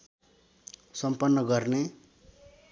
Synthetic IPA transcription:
sʌmpʌnːʌɡʌrne

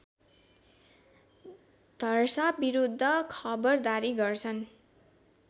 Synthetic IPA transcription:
d̪ʱʌrsabiɾud̪ʱːʌkʰʌbʌrd̪aɾiɡʌrt͡sʰʌn

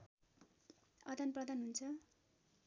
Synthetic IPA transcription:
ʌd̪ʱanprʌd̪ʱanɦunt͡sʰʌ

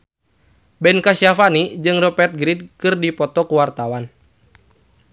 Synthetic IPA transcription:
bɛnkasiafanid͡ʒɨŋrɔpɛrt̪̚ɡɾid̚kɨrdipɔt̪ɔkuwart̪awan

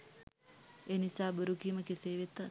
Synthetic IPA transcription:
eːnisaːbəɾukiːməkeseːʋet̪a

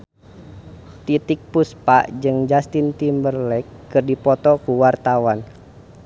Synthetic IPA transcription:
t̪it̪ɪk̚puspa̰ʔd͡ʒɨŋd͡ʒast̪int̪imbərlɛkːɨrdipɔt̪ɔkuwart̪awan

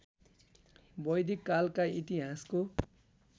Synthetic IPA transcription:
bʌjd̪ʱikːalkait̪iɦasko

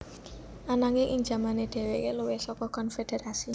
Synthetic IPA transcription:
ʔanaŋeʔɪŋd͡ʒa̤maned̪̥ɛ̤wekeluwesɔkɔkɔnfed̥̪eɾasi

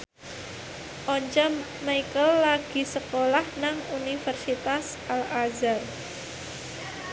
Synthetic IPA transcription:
ʔɔɲt͡ʃɔ | majkəlːaɡ̥i̤səkolahnaŋunifərsit̪as | ʔalazar

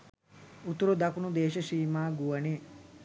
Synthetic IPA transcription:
ut̪uɾud̪ɐkunud̪eːʃɐʃiːmaːɡuʋɐne

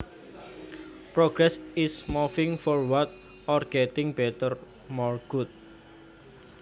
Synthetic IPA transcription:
pɾoɡ̥ɾɛsɪsmɔfɪŋfɔrwat̪̚ | ɔrɡ̥ɛt̪ɪŋbɛt̪ər | mɔrɡ̥ut̪̚

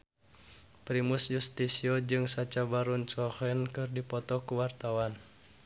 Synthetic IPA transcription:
pɾimusjust̪isiɔd͡ʒɨŋsat͡ʃabaɾunt͡ʃɔhɛnkɨrdipɔt̪ɔkuwart̪awan

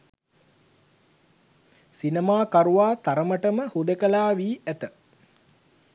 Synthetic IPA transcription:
sinemaːkaɾuʋaːt̪aɾəməʈəməhud̪əkəlaːʋiːæt̪ə

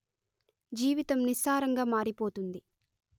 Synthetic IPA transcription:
d͡ʒiːʋit̪ɐmnisaːɾɐŋɡaːmaːɾipoːt̪und̪i

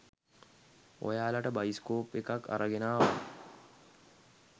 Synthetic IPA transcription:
o̰jaːlaʈəbajiskoːpːekakːa̰ɾəɡenaːʋa

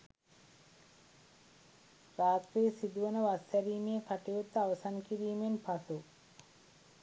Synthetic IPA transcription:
raːt̪reːsid̪uʋənəʋasæɾiːmijəkaʈejut̪ːəaʋɐsanəkiɾiːmenpasu

